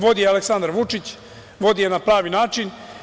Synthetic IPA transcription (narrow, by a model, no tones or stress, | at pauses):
ʋo̞d̪ijealeksand̪ɾʋut͡ʂit͡ɕ | ʋo̞d̪ijenapɾaːʋinaːt͡ʃin